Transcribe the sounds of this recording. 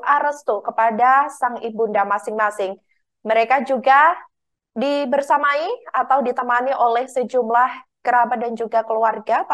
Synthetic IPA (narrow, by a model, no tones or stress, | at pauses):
ʔaɾəst̪ukəpadasaŋibundamasɪŋmasɪŋ | məɾekad͡ʒuɡa | dibərsamaiat̪awdit̪əmaniʔolɛhsəd͡ʒumlahɡ̥əɾabat̪̚dand͡ʒuɡakəluarɡap